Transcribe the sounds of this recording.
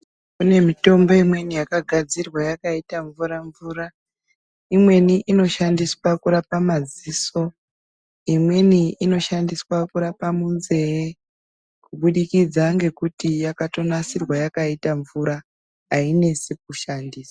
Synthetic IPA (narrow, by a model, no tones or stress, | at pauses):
kune̞mito̞mbo̞imwe̞nijakaɡʱad͡zirwajakaitaɱvuɾaɱvuːra | imwe̞niʔino̞ʃandiswakuɾapamaziso̞ | imwe̞niino̞ʃandiswakuɾapamunze̞e | kuɓuɗikid͡zaŋɡe̞kutijakato̞nasirwajakaitaɱvuɾa | ɦaine̞sik̚uʃandiːsḁ